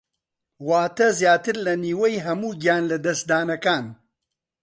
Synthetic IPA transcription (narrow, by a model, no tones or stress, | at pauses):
waːt̪ɐzjaːt̪ɨɾlɐniːwɐjɦɐmuːɡjaːnlɐd̪ɐsd̪aːnɐkaːn